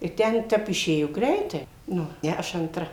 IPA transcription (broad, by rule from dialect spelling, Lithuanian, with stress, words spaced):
ɪ ˈtʲɛn ˈtʲɛp ɪˈʃʲeːjoː ˈɡrʲɛɪtɐɪ ˈnʊ ˈnʲɛ ɐʃ ɐntˈrɐ